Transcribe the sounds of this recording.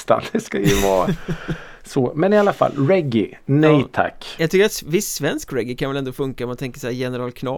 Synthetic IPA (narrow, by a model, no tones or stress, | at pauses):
t̪a̰nd̪ɛskajɵvɑː | sɔmɛnɪalːafa̰lːɾɛɡɪnɛjt̪ʰa̰kːjɑɡt̪ʏkːəɾat̪svɪsːvɛnskɾɛɡːɪkʰanvɛlɛnd̪oːfɵŋkaɔmant̪ʰɛŋkə̥ʂhæːɾjɛnəɾɑːlkʰnɑ